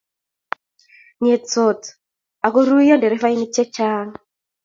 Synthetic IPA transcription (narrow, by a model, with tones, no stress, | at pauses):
ɲɛ˨t͡sɔ˨t | a˨kɔ˦ɾu˦i˦jɔ˦ndɛ˨ɾi˦fa˦i˦ni˦t͡ʃɛ˦t͡ʃaː˦ŋa